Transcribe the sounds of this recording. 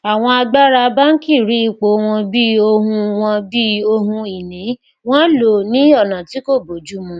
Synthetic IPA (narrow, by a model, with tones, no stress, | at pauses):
a˨w̃ɔ̃˧a˧ɡ͡ba˦ɾa˧ba˦n̩˦ki˦˨ɾi˨˦i˧˨k͡po˨˦w̃ɔ̃˧bi˦o˧ɦũ˧w̃ɔ̃˧bi˦o˧ɦũ˧i˨nĩ˨˦ | w̃ɔ̃˦lo˨nĩ˦ɔ˦˨nã˨ti˨˦ko˦˨bo˨d͡ʒu˦mũ˧